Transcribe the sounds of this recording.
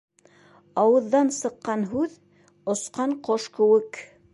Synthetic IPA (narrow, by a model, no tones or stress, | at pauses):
ɑwɤ̆ðːɑnsɤ̆qːɑnɦʉð | ŏsqɑɴqoʃkɘ̆wɘk